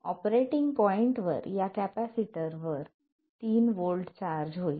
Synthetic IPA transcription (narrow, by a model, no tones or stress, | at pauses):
ɔpɾeʈiŋɡpɔiɳʈʋə̰ɾjakæpæsiʈəɾʋəɾ | t̪iːnʋolɖt͡ɕaɾd͡ʑɦoi